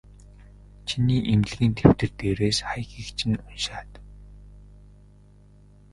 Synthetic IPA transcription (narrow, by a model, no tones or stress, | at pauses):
t͡ɕʰiniːʔemɮɘ̆ɣĭnt̪ʰew̥t̪ɘ̆rt̪eːɾeːsχajxikt͡ɕʰɪ̆nʊnʃaːt̪